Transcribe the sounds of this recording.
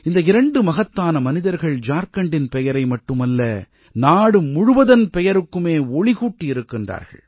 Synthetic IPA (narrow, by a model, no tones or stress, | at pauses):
ɪnd̪ɐɪɾɐɳɖɯmɐɣɐt̪ːaːnɐmɐnɪðɐɾɣɐɭd͡ʒaːɾkɐɳɖɪnpɛjɐɾɐɪmɐʈːɯmɐlːɐ | naːɽɯmʊɻʊʋɐðɐnpɛjɐɾɯkːɯmeːɔɭɪɣuːʈːiɪɾɯkːɪndra̰ːɾɣɐ̰ɭ